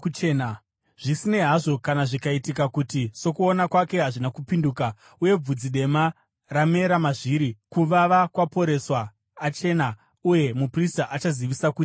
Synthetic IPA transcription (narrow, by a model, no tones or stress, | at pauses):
ut͡ʃeːna | ʐ̥isine̞ɦaʐo̞kanaʐikaitikakutiso̞kuonakwake̞ɦaʐinakupinduka | uje̞b͡vud͡ziɗe̞ma | rame̞ɾamaʐiɾikuʋaʋakwapo̞ɾe̞swaː | t͡ʃe̞na | uje̞mupristaʔat͡ʃaziʋisakuːti̥